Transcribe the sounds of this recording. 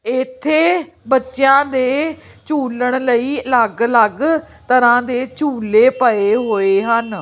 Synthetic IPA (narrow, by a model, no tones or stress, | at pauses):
ɪt̪ʰːeː | bətːʃjãːd̪eː | t͡ʃuːləɽ̃ləiːələɡləɡ | t̪əɾãːd̪eːt͡ʃuːleːpəeːɦoːeːɦən